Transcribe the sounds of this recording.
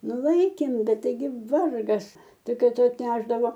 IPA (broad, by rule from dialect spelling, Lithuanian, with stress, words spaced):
ˈnʊ ˈlˠɐɪkʲeːm ˈbʲɛt tɐɪˈɡʲɪ ˈʋɐrɡɐs ˈtʲɪk ˈkɐɪ ˈtʊ ɐtʲˈnʲæːʒdɐʋoː